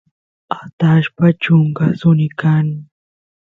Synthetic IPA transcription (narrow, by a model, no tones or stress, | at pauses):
at̪aʃpat͡ʃʊŋkasʊnɪkan